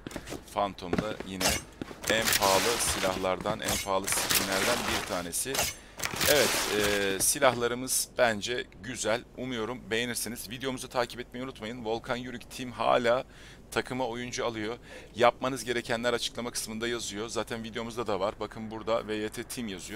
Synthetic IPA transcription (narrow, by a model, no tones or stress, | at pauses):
fant̪ʰo̞md̪ajinɛ | ænpʰaːlˠɯsilʲahlˠaɾd̪anʔæ̰npʰaːlˠɯsi̥t̪ʲinlʲæɾd̪ænbiɾt̪ʰaːne̞sɪ | ɛvɛt̪ɛːsilʲahlˠaɾɯmɯz̥b̥ænd͡ʒɛɟyzælʲumujo̞ɾumbe̞jeniɾsinizvid̪ejo̞muzat̪ʰaːcʰipɛt̪mejɛunut̪majɯnvo̞lˠkʰanjyɾyct̪ʰimɦa̰ːlʲaː | t̪ʰakʰɯmaojund͡ʒualˠɯjo̞jap̚manɯzɟe̞ɾe̞cʰænlʲæɾat͡ʃʰɯ̥klˠamakʰɯ̥smɯnd̪ajazɯjo̞zaːt̪ʰænvid̪eo̞muzd̪ad̪avaɾbakʰɯnbuɾd̪avejet̪ʰɛt̪ʰimjazɯjo